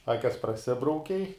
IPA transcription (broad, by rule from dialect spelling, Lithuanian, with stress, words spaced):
ˈɑːkʲɛs prɐˈsʲɪbrɐʊkʲɛɪ